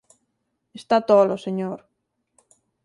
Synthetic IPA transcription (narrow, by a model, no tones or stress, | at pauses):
est̪at̪ɔloseɲoɾ